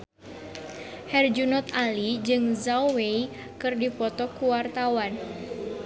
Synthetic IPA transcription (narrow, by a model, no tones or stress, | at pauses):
hɛrd͡ʒunɔt̪alid͡ʒɨŋzawwei | kɨrdipɔt̪ɔkuwart̪awan